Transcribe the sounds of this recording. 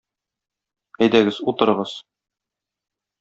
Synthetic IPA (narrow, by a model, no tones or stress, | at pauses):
æjd̪æɡɘzut̪ɤ̆ɾɤ̆ʁɤz̥